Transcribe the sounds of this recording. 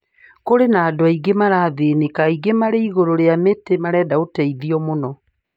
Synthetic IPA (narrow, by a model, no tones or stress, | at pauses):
koɾenaːdowaiɡemaɾaːðeːnekaiɡemaɾeiɣoɾoɾeametemaɾɛːdaotɛiðiɔmonɔ